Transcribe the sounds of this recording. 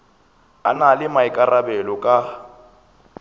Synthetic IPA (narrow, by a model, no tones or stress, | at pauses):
analɪmaɪkʼarabɛlɔkʼa